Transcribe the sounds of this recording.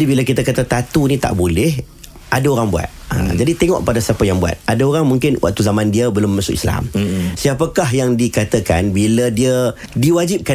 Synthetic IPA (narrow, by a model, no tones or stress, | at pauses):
dibilakit̪akat̪at̪at̪unĩt̪a̰ʔbolɛh | ʔadaoɾaŋbua̰t̪̚ə̰d͡ʒadit̪eŋɔ̰ʔkəpadasiapəjaŋbua̰t̪̚adaoɾaŋmuŋkɪnwʔa̰ʔ̚t̪uzamãndiəbəlʊmmasʊʔḭsla̰msiapəkaɦjaŋdikat̪əkanbilədiədiwad͡ʒip̚ka